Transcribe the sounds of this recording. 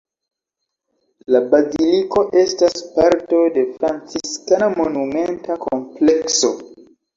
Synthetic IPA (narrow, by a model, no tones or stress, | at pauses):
labaziliko̞ʔe̞staspaɾto̞de̞fɾant͡siskanamo̞nume̞ntakʰomple̞kso̞̰